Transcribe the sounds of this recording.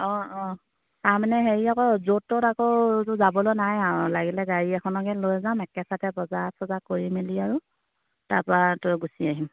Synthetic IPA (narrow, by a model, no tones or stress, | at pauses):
ɔ̃ɔ̃ | taɹmanɛɦeɹiakɔzotːɔtakɔtʊzabɔlojnajaɹlaɡilɛɡaɹiɛkʰɔnɔkɛlojzamɛkɛsatɛbɔzasɔzakoɹimiliaɹu | taɹpɹatojɡusiaɦim